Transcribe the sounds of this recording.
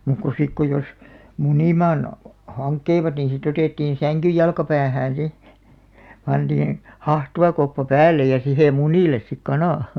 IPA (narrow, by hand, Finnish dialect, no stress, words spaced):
muˑk ko sik ko jos muniˑmɑːn hɑŋkːeiʋɑt niːĩ sit oteˑtːiːn̞ sæŋkyj jɑlkɑpæːhæːn̞ si pɑntiːĩ hɑhtuʋɑkopːɑ pæːlːej jɑ sihe muniˑles sik kɑnɑˑ